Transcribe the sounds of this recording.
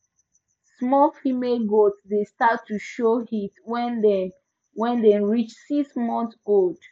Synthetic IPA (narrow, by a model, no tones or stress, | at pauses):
smɔfimelɡotsdestatːuʃohitwɛ̃ndɛ | wɛ̃ndɛɹit͡ʃsiksmɔ̃ntold̥